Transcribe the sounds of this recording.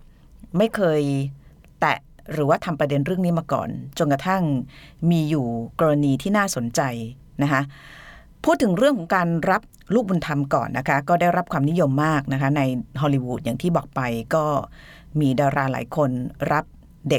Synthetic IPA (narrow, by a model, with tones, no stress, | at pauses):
ma˥˩jkʰɤː˧j | t̪ɛ̰˨˩ | ɾɯː˩˦waː˥˩t̪ʰa˧mpɾa˧de˧nɾɯ˥˩əŋniː˦˥maː˧kɔ̰ː˨˩nt͡ɕo˧nka˧t̪ʰa˥˩ŋmiː˧juː˨˩kɔː˧ɾa˧niː˧t̪ʰiː˥˩naː˥˩so˩˦nt͡ɕa˧j | na˦˥kʰa˦˥ʔ | pʰuː˥˩t̪ʰːɯ˩˦ŋɾɯ˥˩əŋkʰɔː˨˩˦ŋkaː˧nɾa˦˥p̚ | luː˥˩k̚bu˧nt̪ʰa˧mkɔ̰ː˨˩nːʔa˦˥kʰa˦˥kɔː˥˩daː˥˩jɾa˦˥p̚kʰwaː˧mni˦˥jo˧mːaː˥˩k̚na˦˥kʰa˦˥na˧jɦɔː˧liː˧wuː˨˦˩t̪̚jaː˨˩ŋt̪ʰiː˥˩bɔː˨˩k̚pa˧jkɔː˥˩ | miː˧daː˧wɾaː˧la̰ː˩˦jkʰo˧nɾa˦˥p̚ | de˨˩k̚